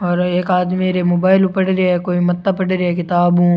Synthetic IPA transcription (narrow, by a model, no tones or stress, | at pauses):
ɔːɾeːkaːd̪miɾemoːbaːɪlʊpəɽɾeɛkoːimɐt̪ːapɐɽɾeɛkɪt̪aːbɦũ